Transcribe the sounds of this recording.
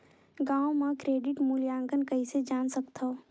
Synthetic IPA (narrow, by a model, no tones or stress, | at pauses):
ɡãːwmãkɾeːɖɪʈmuljãːŋɡənkəised͡ʒaːnsəkt̪ʰa